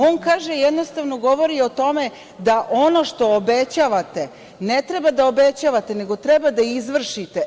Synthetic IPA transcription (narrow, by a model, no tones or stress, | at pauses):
o̞ːnkaːʒejed̪nost̪aʋno̞ɡo̞ʋo̞ɾiot̪o̞me | d̪aʔo̞no̞ʃt̪o̞ːbet͡ɕaːʋat̪e | net̪ɾebad̪aobe̞t͡ɕaːʋat̪e̞ne̞ɡo̞t̪ɾebad̪aizʋr̩ʃit̪e